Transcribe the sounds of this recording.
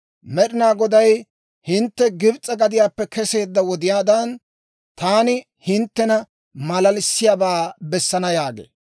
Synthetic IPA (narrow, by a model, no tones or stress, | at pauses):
mɛɗɪnaːɡɔd̪ɐj | hɪnt̪ːɛɡɪbt͡sʼːɐɡɐd̪ɪjaːpːɛkɛse̞ːd̪ːɐwɔd̪ɪjaːd̪ɐn | t̪aːnɪ | hɪnt̪ːɛnɐ | mɐlɐlɪsːɪjaːbaːbɛsːɐnɐjaːɡḛː